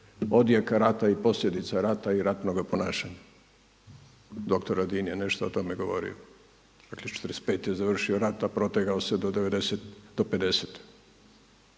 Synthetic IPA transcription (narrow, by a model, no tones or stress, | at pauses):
o̞d̪jakaɾat̪aipo̞sʎʲe̞d̪it̪saɾat̪aiɾat̪noɡapo̞naːʃaɲa | d̪o̞kt̪oɾad̪iːnjeneʃt̪oot̪o̞meɡo̞ʋo̞̰ɾḭo | d̪̥aklet͡ʃe̥t̪ɾespeːt̪jezaʋr̩ʃioɾat̪apɾo̞t̪eɡaosed̪od̪eʋed̪eset̪d̪̥oped̪eset̪